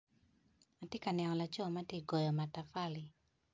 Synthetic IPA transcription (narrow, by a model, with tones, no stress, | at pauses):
ma˨te˦ka˨nja˨ŋɔ˨la˨t͡ʃɔ˦ma˦tje˦˨ɡɔ˨jɔ˨ma˨ta˨fa˦li˨